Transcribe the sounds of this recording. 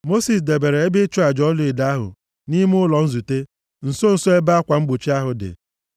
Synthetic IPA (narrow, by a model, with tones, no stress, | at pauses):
mo˦si˨s̬de˨be˨ɾe˨e˦bɪ˦t͡ʃu˦a˨d͡ʒɔ˦lʊ˦e˨da˦a˦ɦʊ̰˨ | ni˦m˦ʊ˦lɔ˨n̩˦zu˨te˦ | n̩˨so˦n̩˨so˦e˦ba˦a˦kʷa˨ŋ͡m̩˦ɡ͡bu˨t͡ʃi˦a˦ɦʊ˨dɪ̰˨